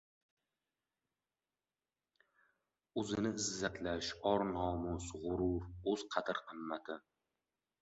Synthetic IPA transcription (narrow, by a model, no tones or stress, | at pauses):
ɵzɪnɪɪzːat̪ʰlaʃɒɾnɒmʊsʁʊɾʊɾɵz̥qʰɑt̪ʰɪɾqʰɨmːat̪ʰɪ